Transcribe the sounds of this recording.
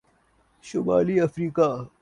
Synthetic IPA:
ɕobaːliɐfɾiːka

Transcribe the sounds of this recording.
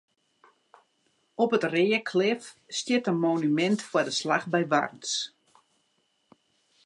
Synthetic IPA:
ɔpətreːəkʰlɪfstjɪtənmonymɛntfwadəslaxbɛjʋa̰rns

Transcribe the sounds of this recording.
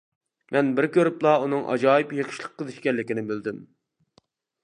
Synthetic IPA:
mʔɛnbɪɾkʲøɾɪplˠɑunɨŋʔɑ̰d͡ʒɑːjɨpjeqʰʃlˠəq̚ʰːəzɪʃkʲɛnlːɪkʲinɪbɪld̪ɪm

